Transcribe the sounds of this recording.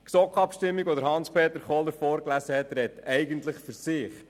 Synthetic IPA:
ksɔkχɑpʃtɪmːiɡʋɔd̪əɾhɑnspʰeːt̪əɾχɔləɾfɔːɾklæsəhɛt̪ɾɛt̪ɛɪɡənt̪ləχfyɾsɪχ

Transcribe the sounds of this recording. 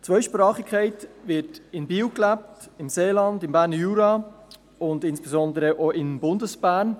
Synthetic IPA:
t͡svœʏʃpɾɑːχɪkʰːɛɪtvɪtɪnbiːwklæp̚tɪmseːlɑndɪmbæːɾnəjuːɾɑ | ʊndɪnsb̥ɛzɔndəɾəʔoːʔɪnbʊndəsb̥æːn

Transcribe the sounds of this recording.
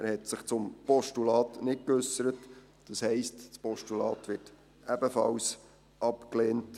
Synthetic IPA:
æɾhɛtsɪχt͡sʊmpɔʃtulɑːtnɪt̚kʏsəɾət | d̥ɑshɛɪstspɔʃtulɑ̰ːtʋɪɾt | æbəfɑ̰ws | ʔɑpkleːnt

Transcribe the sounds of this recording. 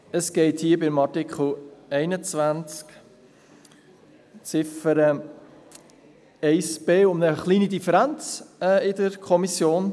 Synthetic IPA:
əsɡ̥ɛɪthiːəbɪmɑɾtɪkχl̩ɛɪnət͡svænt͡sk | t͡sɪfəɾə | ɛɪspeːʊmnəχliːnidifəɾænt͡sɛːɪdəɾkʰɔmisjoːn

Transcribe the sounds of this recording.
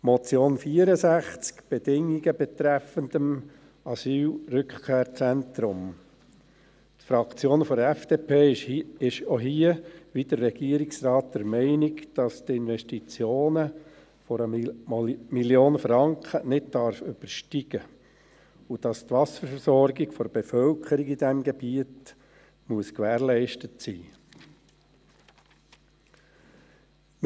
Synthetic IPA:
mɔt͡sjoːnfiəɾəsæχt͡skb̥ɛd̥ɪŋːiɡəbɛt̪ɾæfəndəm | ɑsyːlrʏkχkʰeːɾt͡sɛntɾʊm | tfɾɑkt͡sjoːnfɔdɛfd̥eːpʰeːɪʃoɦiəʋid̥̪əɾːɛɡ̥iəɾiksrɑːt̚dɛɾmɛɪnɪkd̥ɑstɪnʋɛʃtit͡sjoːnə | fɔɾə | miljoːnəfɾɑŋkχənɪt̚d̥ɑɾfʏb̥əɾʃtiɡ̥ə | ud̥ɑst̪ʋɑsəɾsɔɾɡɪɡfɔɾb̥efœlkʰəɾiɡid̥ɛmɡeb̥iət | muəskʋæːɾlɛɪʃtətsḭː

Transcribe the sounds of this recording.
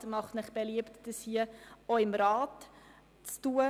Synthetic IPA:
mɑχtmɪχb̥eliəptd̥əshiəoɪmɾɑːt | t͡stuːə

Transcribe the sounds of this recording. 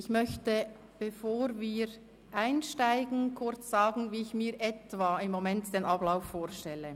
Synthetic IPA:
ɪçmœçtə | b̥efoːɾviːɾ | ʔaɪnʃtaɪɡn̩kʰʊɾt͡sz̥ɑːɡn̩viːɪçmiːɾʔɛtvaːɪmːomɛntd̥eːnʔɑblaʊfːoːɾʃtɛlə

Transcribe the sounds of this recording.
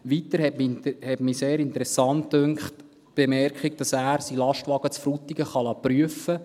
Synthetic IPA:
ʋitəɾhɛtmhɛtmiseːɾɪntɾɛsɑntdøŋkχt | b̥emɛrkχik̚d̥ɑsæːɾsilɑʃtʋɑɡ̥ət͡sfɾutiɡəχɑlɑːpryəfə

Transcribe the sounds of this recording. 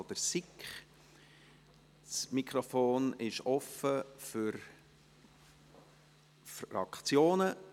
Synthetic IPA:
d̥̪əɾsikχ | smikʰɾɔfoːnɪʃɔfəfʏɾ | fɑ̰kt͡sjoːnə

